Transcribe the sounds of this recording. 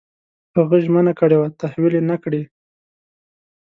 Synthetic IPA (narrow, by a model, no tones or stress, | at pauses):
haɣujʒmənakəɽewat̪ahwilenakɽi